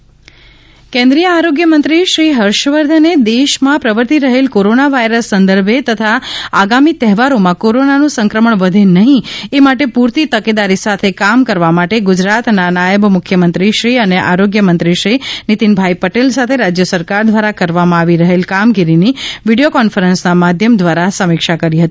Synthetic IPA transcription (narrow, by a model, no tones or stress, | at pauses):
kɛ̃nd̪ɾijəaɾoɡjəmənt̪ɾiʃɾiɦəɾʃʋəɾd̪ʱəned̪eʃmãpɾəʋəɾt̪iɾəɦelkoɾonaʋajɾəsːənd̪əɾbʱet̪ət̪ʰaaɡamit̪ɛɦɛʋaɾomãkoɾonanũsə̃ŋkɾəməɳʋəd̪ʱenəɦĩemaʈepuɾt̪it̪əked̪aɾisat̪ʰekamkəɾʋamaʈeɡʊd͡ʒɾat̪nanajəbmʊkʰjəmənt̪ɾiʃɾiəneʔaɾoɡjəmənt̪ɾiʃɾinit̪inbʱajpəʈelsat̪ʰeɾad͡ʒjəsəɾkaɾd̪ʋaɾakəɾʋamãaʋiɾəɦelkamɡiɾiniʋiɽijokɔnfəɾənsnamad̪ʱjəmd̪ʋaɾasəmɪkʃakəɾiɦət̪i